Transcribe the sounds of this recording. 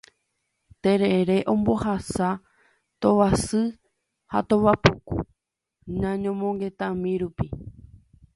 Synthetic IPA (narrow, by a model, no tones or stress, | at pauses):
t̪e̞ɾeɾe̞ʔõ̞mbo̞hasa | t̪oʋasɨ | ha̰t̪õʋapukṵ | nãɲõ̞mõŋɡe̞t̪ãmĩɾupi